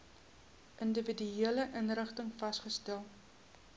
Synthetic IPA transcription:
ʔəndəvidyiələʔənrəχtəŋfɐsχəstælˠ

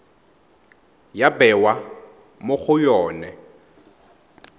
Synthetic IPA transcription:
jabɛwa | mʊk͡xʰʊjɔːnɛ

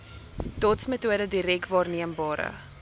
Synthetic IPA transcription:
d̥ɔtsmətuədədiɾɛkvɑːrniəmbɑːɾə̰

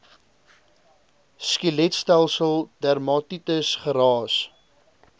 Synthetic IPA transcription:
skilɛtstælˠsəlˠdærmɑtitəsχəɾɑːs

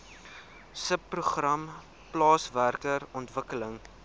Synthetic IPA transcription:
səpːruχrɐm | plɑːsværkəɾɔntvəkələŋ

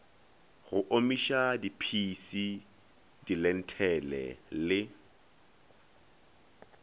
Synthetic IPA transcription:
ɣʊʔomiʃadipʰisi | dilɛn̩tʰɛlɛ̰lɪ

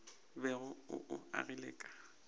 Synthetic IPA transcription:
bɛɣʊʊ̰ʔʊa̰ɣileːkʼḁ

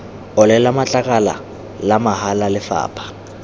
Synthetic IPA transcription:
ɔlɛlamat͡ɬʼakʼala̰ | lamahalalɪfa̰ːpʰʼḁ

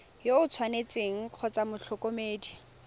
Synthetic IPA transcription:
joʊt͡sʰwanet͡sʼeŋ̩q͡χʰɔt͡samʊɬʰʊkomeːdi

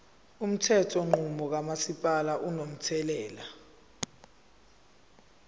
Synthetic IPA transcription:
um̩tʰɛtʰɔŋ͡ǃumɔk̬amasipʼalaʔunom̩tʰɛlɛːla

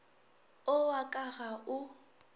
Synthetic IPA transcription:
ʊwakʼaɣaʊ

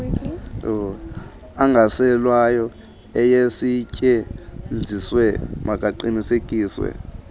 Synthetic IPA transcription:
aŋɡʱasɛlwajɔ | ɛjesicʼɛnd͡zʱiswɛmakʼaǃinisekʼiːswɛ̰

